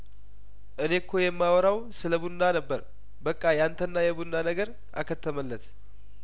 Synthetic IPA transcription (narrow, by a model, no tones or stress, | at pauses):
ʔɨne̞kʰːojɛmːawɔɾaw | sɨləbunːanəbːəɾ | bəkʼːajant̪ʰənːajɛbunːanəɡəɾ | ʔa̰kʰət̪ʰːəməlːət̪